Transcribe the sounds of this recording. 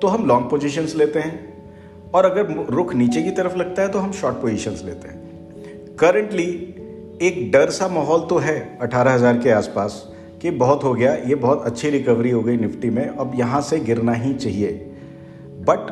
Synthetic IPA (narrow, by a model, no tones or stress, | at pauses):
t̪oɦɐmlɔ̃ːŋɡ̚poːd͡ʒiʃ̬ənzleːt̪eɦɛ̃ː | ɔːɾɐɡəɾɾʊkʰniːt͡ʃekit̪ɐɾəflɐɡ̚t̪aɦɛt̪oɦɐmʃɔːʈ̚poːzɪʃənzlḛːt̪eɦɛ̃ː | kɐɾə̃ɳʈli | eːk̚ɖɐɾsamaːɦɔːlt̪oɦɛːɐʈʰaːɾaɦɐzaːɾkeaːspaːs | kebɐɦʊt̪ɦoɡɐjajebɐɦʊt̪ɐtːʃʰiɾɪkəʋɾiɦoɡɐinɪfʈimẽɐbjɐɦãseɡɪɾnaɦit͡ʃaːɦieː | bɐʈ